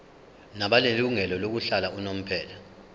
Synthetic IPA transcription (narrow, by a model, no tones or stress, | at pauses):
naɓaleluŋɛlɔlok̬uɬalaunom̩pʰɛːla